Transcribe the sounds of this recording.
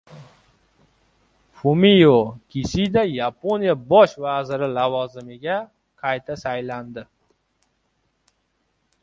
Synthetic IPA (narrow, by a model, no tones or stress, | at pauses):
fumijokʲʰisid̪ajaponijabɒʃvazɪɾɪlavɒzɪmɪɡʲa | qʰɑjt̪ʰasajland̪ɪ